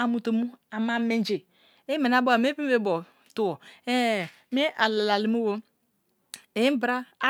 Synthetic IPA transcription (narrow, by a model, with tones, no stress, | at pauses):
a˨mu˨to˨mu˦a˨ma˦me˦n˦d͡ʒe˨ | e˦me˨n˨a˦bo˦˨me˦pi˦m˦e˦bɔ˨ | tu˦˨wɔ˨e˦˨ | mi˦ʔa˨la˨la˨li˨mu˦wo˦ | e˨˦bɾa˦